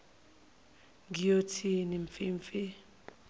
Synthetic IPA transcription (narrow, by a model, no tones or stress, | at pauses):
ŋijotʰiniɱfiːɱfi